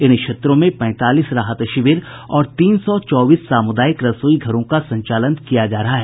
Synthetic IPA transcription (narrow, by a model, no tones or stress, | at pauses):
ɪnʃet̪ɾõmẽpɛ̃ːt̪aːliːsɾaːɦət̪ɐʃɪʋɪɾ | ɔːɾt̪iːnsɔt͡ʃɔːbiːsːaːmʊd̪aːjɪkɾɐsoːiɡʱɐɾõkasɐ̃ɲt͡ʃaːlənkijad͡ʒaːɾɐɦaɦɛː